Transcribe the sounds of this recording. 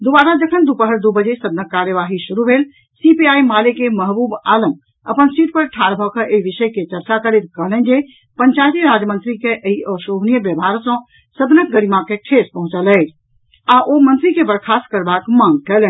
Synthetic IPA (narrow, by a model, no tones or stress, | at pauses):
d̪obaɾad͡ʒəkʰənd̪upəɦəɾd̪ubəd͡ʒesəd̪nəkːaɾjəʋaɦisuɾubʱel | sipiajmalekeməɦbubaləm | əpənsiʈ̪̚pəɾʈʰaɾbʱɔkəʔeibiʃəjket͡ʃəɾt͡ʃakəɾet̪kəɦlɛnd͡ʒe | pəɲt͡ʃajt̪iɾad͡ʒmənt̪ɾikeʔəiɔsoɦnijəbjəbʱaɾsə̃ | səd̪nək̚ɡəɽimakekʰespəɦũt͡ʃəlɛt͡ʃʰ | aʔomənt̪ɾikebəɾkʰaskəɾbakmãŋɡkɛlɛ